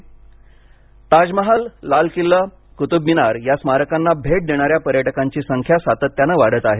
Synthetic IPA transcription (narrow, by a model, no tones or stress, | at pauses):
t̪ad͡ʑməɦalːalkilːə | kut̪ubːinaɾjasmaɾəkanːabʱeʈ̚d̪eɽ̃aɾjapəɾjəʈəkaɲt͡ɕiːsəŋkʰjasat̪ət̪ːjanəʋaɽ̤ət̪aɦe